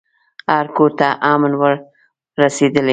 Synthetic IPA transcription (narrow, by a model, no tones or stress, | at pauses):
aɾkoɾt̪aʔɑmnwəɾ | ɾased̪əle